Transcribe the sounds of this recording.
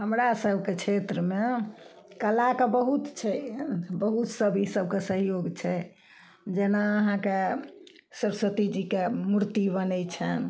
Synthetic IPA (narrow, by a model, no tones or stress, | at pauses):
ɦəmɾasəbʱket͡ʃʰet̪ɾəme | kəlakebəɦut̪t͡ʃʰɛbəɦut̪səbʱisəb̚ʱkesəɦjoɡt͡ʃʰɛ | d͡ʒenaəɦãke | səɾsət̪id͡ʒikemuɾt̪ibənɛt͡ʃʰən